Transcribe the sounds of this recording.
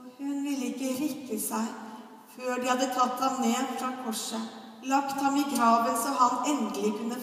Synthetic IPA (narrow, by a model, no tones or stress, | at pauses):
hʉnʋɪlːəɪkːəɾɪkːəsæɪ | føːɖɪhɑd̪ːət̪ʰɑt̪ːhɑmneːd̪fɾɑkʰɔʂə | lɑkt̪hɑmiɡɾɑːʋənsɔmɦɑnɛnd̪əlɪkʉnːə